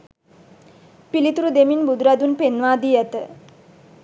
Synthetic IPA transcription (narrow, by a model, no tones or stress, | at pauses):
pilit̪uɾud̪eminbud̪ɾad̪unpenʋaːd̪ijət̪ə